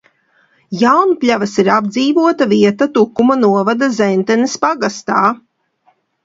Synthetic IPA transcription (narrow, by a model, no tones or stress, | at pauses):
jawnpʲlʲavasiɾab̚d̪ziːvuɔt̪aviɛt̪at̪ukːumanuɔvad̪azɛnt̪ɛnispaɡast̪aː